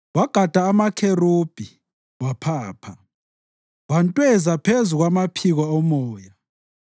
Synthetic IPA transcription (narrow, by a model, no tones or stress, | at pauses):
waɡ̥ʱad̥ʱaːmakʰerub̥ʱi | wapʰaːpʰa | wantʼwɛzapʰezuɣwamapʰiɣaɔmɔːja